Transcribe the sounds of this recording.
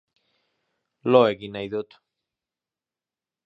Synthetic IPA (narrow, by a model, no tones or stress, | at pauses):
loekinajðot̪